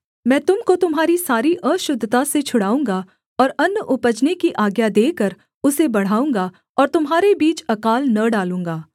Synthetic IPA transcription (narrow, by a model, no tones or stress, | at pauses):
mɛ̃ːt̪ʊmkot̪ʊmɦaːɾisaːɾiʔəːʃʊd̪ʱːt̪aset͡ʃʰʊɽaːũːŋɡa | ɔːɾɐnːəʔʊpəd͡ʒnekiʔaːɡjad̪eːkəɾ | ʊsebɐɽ̤aːũːŋɡa | ɔːɾt̪ʊmɦaːɾebiːt͡ʃɐkaːlnɐɖaːlũːŋɡaː